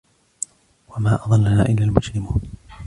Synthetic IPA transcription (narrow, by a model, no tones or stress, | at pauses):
wamaːʔɑðˤɑlːanaːʔɪlːaːlmʊd͡ʒɾɪmuːn